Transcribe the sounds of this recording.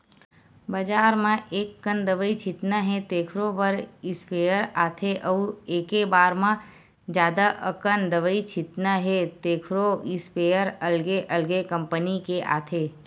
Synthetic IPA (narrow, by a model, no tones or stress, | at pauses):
bəd͡ʒaːɾmãʔeːkːənd̪əʋəit͡ʃɪt̪naɦẽt̪eːkʰɾopəɾɪspeːjəɾaːt̪ʰeʔəueːkebaːɾmã | d͡ʒjaːd̪aʔə̰kənd̪əʋəit͡ʃʰɪt̪naɦet̪eːkʰɾoɪspeːjəɾəlɡeʔəlɡekə̃mpənikeʔa̰ːt̪ʰe